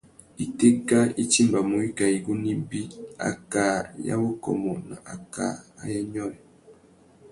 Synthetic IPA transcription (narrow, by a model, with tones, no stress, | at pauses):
i˨te˦ka˦i˦ti˦mba˨mo˨i˦ka˨i˨ɡu˦ni˦bi˦a̰˨ka˨ja̰˦bo˦kɔ̰˨mɔ˨na˨ʔa˨ka̰˨a̰˦jɛ˦ɲɔ˦ɾɛ˨